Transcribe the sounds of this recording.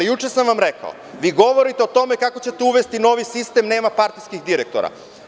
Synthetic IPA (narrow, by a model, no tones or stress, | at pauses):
ijut͡ʃesamʋamɾeka̰o̰ | ʋiːɡo̞ʋo̞ɾit̪eo̞t̪o̞me̞kako̞t͡ɕe̞t̪euʋest̪ino̞ːʋisist̪e̞mne̞ːmapaɾt̪iskixd̪iɾekt̪o̰ɾa̰